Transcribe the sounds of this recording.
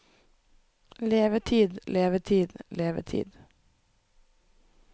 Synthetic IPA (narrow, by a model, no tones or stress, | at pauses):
leːʋət̪ʰiːd̪leːʋət̪ʰiːd̪leːʋə̰t̪ʰḭːd̪